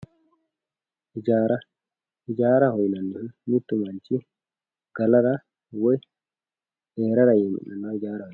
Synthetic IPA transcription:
id͡ʒaɾa | id͡ʒaːɾahɔjnanːunnit̪ːumaɲt͡ʃi | ɡ̥alaɾa | wɔj | ɛɾaɾajɛmḭnːanːaid͡ʒaːɾahɔj

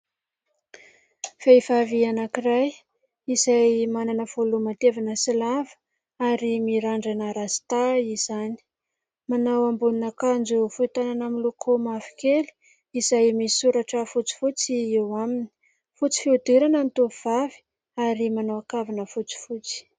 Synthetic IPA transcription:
feivavianakiɾaj | izajmananəv̥olumat̪evanəsilavə̥ | aɾimiɾaɳɖ͡ʐanəɾazi̥t̪aiz̥ani̥ | manawambuninakand͡ʒufuit̪ananamilokʰomafi̥keli̥ | izajmisuɾaʈ͡ʂəfut͡si̥fut͡siewamini̥ | fut͡si̥fiud̪eɾanənt̪uv̥avi̥ | aɾimanawakavinəfut͡si̥fut͡si̥

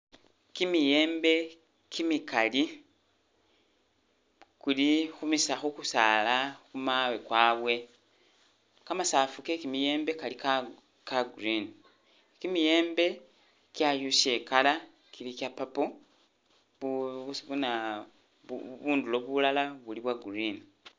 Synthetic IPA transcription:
kimije̞ːmbe̞ | kimikali | kulixumisaxukusalaxumawekwaːβwe̞ | kamasafukekimije̞ːmbe̞kalika | kaɡɾini | kimije̞ːmbe̞ | kjajuʃekala | kilikapapo | βuna | ṵβuːndulo̞βulalaβuliβwaɡuɾini

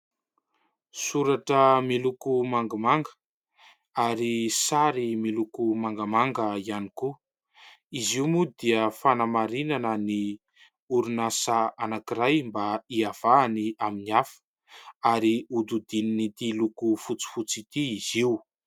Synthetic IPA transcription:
suɾaʈ͡ʂəmilukumaŋɡamaŋɡə̥ | aɾisaɾimilukumaŋɡamaŋɡəianiku | iziumud̪iəfanamaɾinanəni | uɾunasaanakiɾajmbaiav̥aːniaminiafə̥ | aɾiud̪ud̪ininit̪ilukufut͡si̥fut͡sit̪iːziu

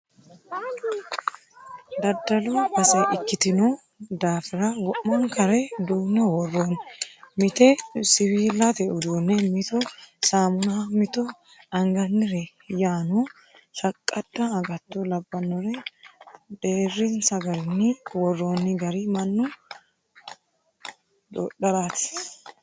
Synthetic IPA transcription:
d̪ɐd̪ːɐlubɐsɐʔɪkːɪt̪ɪnɔ | d̪aːfɪɾɐwɔʔmːɐŋkɐɾɛd̪uːnːɛwɔrːoːnmɪt̪ɛsɪwiːlːɐt̪ɛʔʊd̪uːnːɛmɪt̪ɔsaːmʊnamɪt̪ɔ | ɐŋɡɐnːɪɾɛ | jaːnu | ʃɐkʼːɐd̪̥ːɐːɡɐt̪ːɔlɐbːɐnːɔɾɛ | d̪eːrːɪnsɐɡɐɾɪnːɪwɔrːoːnːɪɡɐɾɪmɐnːʊ | d̪o̰ːɗɐɾaːt̪ɪ̥

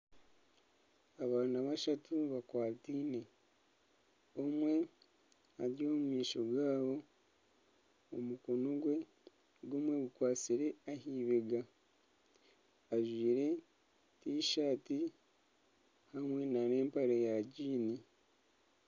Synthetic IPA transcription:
aβaːnaβaʃatuβakwaːtiːne̞ | omwe̞ | aɾjo̞ːmumiːʃo̞ɡaːβo̞ | mukonoɡwe̞ | ɡomwe̞ɡukwaːt͡siɾe̞ahiːβeɡa | ʒwiːɾe̞ | tiːʃaːti | hamwe̞nane̞ːmpaɾejaɟiːni

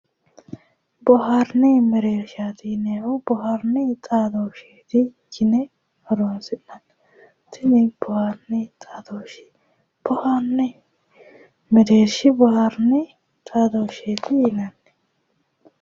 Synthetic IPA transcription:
bɔɦaɾnɪmɛɾeːɾʃat̪ɪneʔʊbɔɦaɾnɪt̪ʼaːd̪oʃeːt̪ɪɡɪnɛ | hɔɾoːnsɪnɐn | t̪ʰɪnɪb̥ɔhaɾnɪt̪ʼaːd̪oʃɪ̥ | b̥ɔhanːɛ | mɛɾeːɾʃɪbɔhaɾnɪ | t̪ʼaːd̪oːʃeːt̪ɪjɪnɐnːɛ

